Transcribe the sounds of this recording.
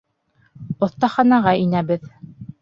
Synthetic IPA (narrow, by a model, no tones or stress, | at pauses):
ŏθt̪ɑχɑnɑʁɑinæβɘð